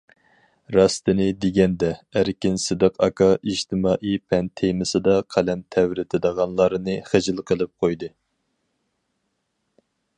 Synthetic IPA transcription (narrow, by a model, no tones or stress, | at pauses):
ɾɑst̪ɨnɪd̪ɪɡʲɛnd̪ɛæɾkʲɪnsɨd̪ɨqɑkʰɑid͡ʒt̪ɨmɑːʔipʰɛnt̪ʰejmɨsɨd̪ɑqʰælɛmt̪ʰɛwɾɪt̪ʰɪd̪əʁɑnlˠɑɾɨnɨχəd͡ʒɪlˠqʰəlˠɨp̚qʰojd̪ɨ